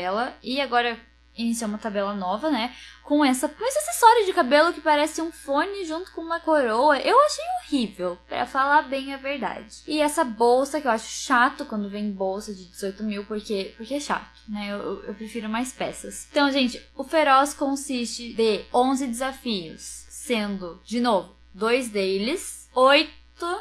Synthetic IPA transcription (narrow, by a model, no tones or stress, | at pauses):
ɛlɐɪaɡɔɾɐ | ĩnisiũmɐt̪abɛlɐnɔvɐnɛkõɛsɐkõɛsɐsesɔɾʊd͡ʒɪkabelʊkɪpaɾɛsɪũfõnɪʒũt̪ʊ̥kõũmɐkoɾowɐʔewaʃejohivewpɾɐ̰falaɾbẽj̃ɐveɾd̪a̰d͡ʒɪɪɛsɐbowsɐkɪewaʃʊ̥ʃat̪ʊkwɐ̃nd̪ʊvẽj̃bowsɐd͡ʒɪd͡ʒɪzojt̪ʊmiwpoɾkepoɾkeɛʃa̰t̪ʊ̥nɛewewḛwpɾefiɾʊmajspɛsɐst̪ɐ̃w̃ʒẽnt͡ʃɪʊfeɾɔskõsist͡ʃɪd̪eõzɪd̪ɪzafiʊ̰sːẽnd̪ʊd͡ʒɪnovʊ | d̪ojzd̪elɪs | ojt̪ʊ